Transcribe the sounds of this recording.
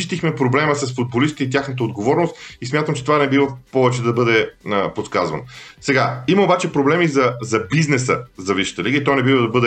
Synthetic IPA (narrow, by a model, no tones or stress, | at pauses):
t̪ixmɛpɾoblɛməsɐsfud̪̚bolist̪i̥t̪ɛit̪ʲjaxnət̪əod̪ɡovɔɾnost̪ismʲjat̪əmt͡ʃɛ̥t̪ovanɛbivəpɔvɛt͡ʃɛd̪ɐbɤd̪ɛəpot̪skazvɐ̰nosɛɡaiməobat͡ʃɛpɾoblɛmizɐzɐbiznɛsəzɐviʃə̥t̪əliɡəit̪ɔjnɛbivəd̪ɐbɤd̪ɛ